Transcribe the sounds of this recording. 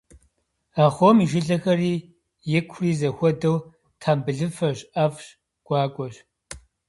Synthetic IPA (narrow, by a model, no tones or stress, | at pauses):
aχʷomiʒɪɮɐxɐriː | jɛkʷʰriːzɐxʷɔdɐw | tʰaːmbɨɮɨfɐɕʼʔɐfɕ | ɡ̥ʷɑːkʷʼɔɕ